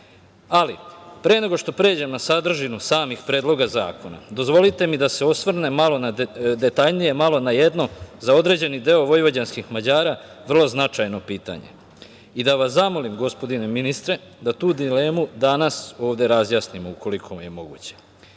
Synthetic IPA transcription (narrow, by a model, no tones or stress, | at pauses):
alipɾe̞ːne̞ɡo̞ʃt̪o̞pɾe̞ːd͡ʑe̞mnasad̪r̩ʒinusaːmixpɾeːd̪lˠo̞ɡaza̰ːko̞na̰d̪o̞zʋo̞lit̪e̞mid̪ase̞o̞sʋr̩ne̞malo̞nad̪e̞t̪aʎnije̞malo̞naje̞d̪no̞zao̞d̪ɾe̞d͡ʑe̞nid̪e̞oʋo̞jʋad͡ʑanskixmad͡ʑaːɾaʋr̩lo̞znat͡ʃajno̞piːt̪a̰ɲḛ | id̪aʋaszamo̞limɡo̞spo̞d̪ine̞minist̪ɾe̞ | d̪at̪uːd̪ile̞ːmud̪anaso̞ːʋd̪e̞ɾazjaːsnimouko̞likʰo̞mje̞mo̞ɡṵːt͡ɕe